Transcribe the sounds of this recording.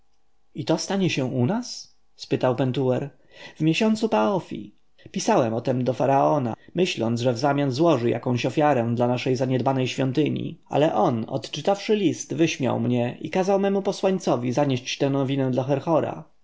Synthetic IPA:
it̪ɔst̪aɲɛɕɛ̃unas | spɘt̪awpɛnt̪uwɛɾ | vmʲjeɕɔnt̪supaɔfʲḭ | pʲisawɛmɔt̪ɛmd̪ɔfaɾaɔna̰mɘɕlɔnd̪ʐɛvzamʲjanzwɔʐɘja̰kɔ̃w̃ɕɔfʲjaɾɛd̪lanaʂɛjzaɲɛd̪banɛjɕfʲjɔnt̪ɘɲḭa̰lɛʔɔnɔ̰t̪t͡ʂɘt̪afʂɘlʲist̪vɘɕmʲja̰wmɲɛʔḭkazawmɛmupɔswaɲt̪sɔvʲizaɲeɕt͡ɕt̪ɛ̃nɔvʲinɛ̃d̪laxɛɾxɔɾa̰

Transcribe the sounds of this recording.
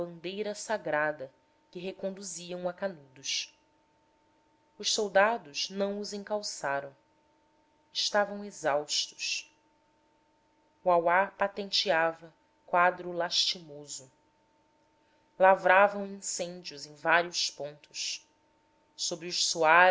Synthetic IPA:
bɐ̃nd̪ejɾɐsaɡɾad̪ɐ | kɪɦekõnd̪uziɐ̃w̃ɐkanud̪ʊʃ | ʊʃsowd̪ad̪ʊznɐ̃w̃ʊzẽŋkawsaɾɐ̃w̃ | ɪʃt̪avɐ̃w̃ezawʃt̪ʊ̥ʃ | uawapat̪ẽnt͡ʃiavɐ | kwad̪ɾʊlaʃt͡ʃimozʊ | lavɾavɐ̃w̃ĩsẽnd͡ʒiʊzẽj̃vaɾiʊspõnt̪ʊ̥ʃ | sobɾiʊʃsua

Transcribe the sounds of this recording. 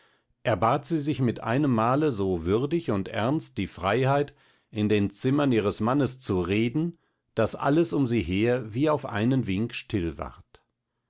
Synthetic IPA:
ʔɛɐbaːtz̥iːzɪçmɪtʔa̰ɪnəmːaːləzoːvʏʁdɪçʊntʔɛɐnst̚d̥iːfʁ̥aɪhaɪt | ʔɪndeːnt͡sɪmɐniːʁəsmanəst͡suʁeːdn̩ | d̥asʔa̰ləsʊmziːɦeːɐviːaʊfʔa̰ɪnənvɪŋkʃtʰɪlva̰ʁɐt

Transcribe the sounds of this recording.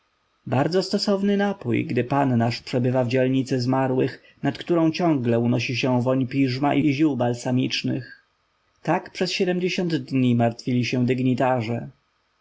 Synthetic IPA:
baɾd̪zɔst̪ɔsɔvnɘnapujɡd̪ɘpanːaʂpʂɛbɘvavd͡ʑɛlɲit̪sɛzmaɾwɘx | nat̪kt̪uɾɔ̃w̃t͡ɕɔ̃ŋɡlɛunɔɕiɕɛ̃vɔɲpʲiʐmaʔiʑuwbalsamʲit͡ʂnɘx | t̪akpʂɛsɕɛd̪ɛmd͡ʑeɕɔ̃nd̪d̪ɲimaɾt̪fʲilʲiɕɛ̃d̪ɘɡɲit̪aʐɛ

